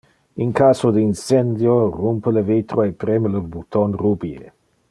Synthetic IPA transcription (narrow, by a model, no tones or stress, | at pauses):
iŋkasod̪insend̪jorumpələvit̪ɾoepɾeməlobut̪onrubiḛ